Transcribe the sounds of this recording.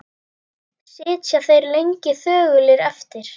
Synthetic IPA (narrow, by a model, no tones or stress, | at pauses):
sɪːt̪sjaθejɾlejɲcɪθœːɣʏlɪɾɛft̪ɪɾ̥